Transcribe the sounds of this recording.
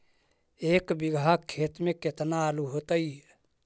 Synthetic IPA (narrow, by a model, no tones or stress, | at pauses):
eːkbɪɡʱakʰːeːt̪mẽket̪naːluɦot̪əi